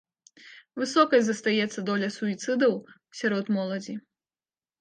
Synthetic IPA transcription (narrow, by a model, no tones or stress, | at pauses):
vɨsɔkɐjʲzɐst̪ajɛt̪sːɐd̪ɔlʲɐsuit̪sɨd̪ɐw | sʲaɾɔt̪mɔlˠɐd͡zʲi